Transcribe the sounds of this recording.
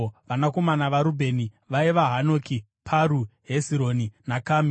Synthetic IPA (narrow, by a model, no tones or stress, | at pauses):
ʋanako̞manaʋaɾubʱe̞ni | ʋaiʋaɦano̞ːki | pʰaɾuɦesiɾoːninakam